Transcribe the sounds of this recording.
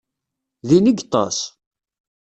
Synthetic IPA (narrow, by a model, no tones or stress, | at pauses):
ðinəɡt̪ˤːɑ̰s